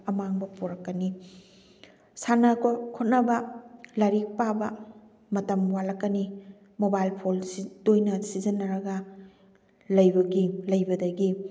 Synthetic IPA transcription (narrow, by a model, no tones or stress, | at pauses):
ɐmaŋbɐpoɾɐkːɐni | sanɐkʰkʰot̚nɐbɐlɐɾik̚pabɐ | mɐtɐmwalɐkːɐni | mobajlpʰolsidojnɐsizɐnːɐɾɐɡɐ | lɐjbɐɡilɐjbɐdɐɡi